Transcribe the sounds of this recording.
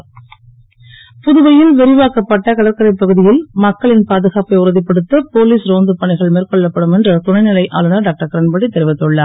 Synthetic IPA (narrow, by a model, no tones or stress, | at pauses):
pʊðɯʋɐjɪlʋɛɾɪʋaːkɐpːɐʈːɐkɐɽɐɾkːɐɾɐpːɐɣɯðɪjɪlmɐkːɐɭɪnpaːðɯɣaːpɐɪʊɾɐðɪpːɐɽɯt̪ːɐpoːliːsɾoːnd̪ɯpɐɳɪɣɐɭmeːrkɔɭːɐpːɐɽɯmɛndrɐt̪ʊɳɐɪnɪlɐɪʔaːlɯnɐɖaːk̚ʈɐɾkɐɾɐnbɐɽit̪ːɛɾɪʋɪt̪ːɯɭːaː